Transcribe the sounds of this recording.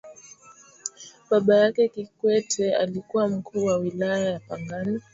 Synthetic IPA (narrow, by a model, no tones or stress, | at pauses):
ɓaɓajakɛkikwɛtʰɛa̰likuwam̩kʰuːwawilajajapaŋɡani